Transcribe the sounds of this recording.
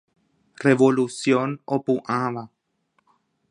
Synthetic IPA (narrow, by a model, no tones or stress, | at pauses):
reβolusjonopuʔaβa